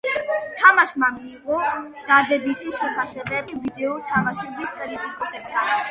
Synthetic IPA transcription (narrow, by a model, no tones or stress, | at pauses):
t̪ʰamasmamiːqʼɔ | d̪̥ad̪ɛbit̪ʰʼiʃɛpʰasɛbɛlivid̪ɛɔt̪ʰamaʃɛbiskʼɾit̪ʼikʼɔsɛbsa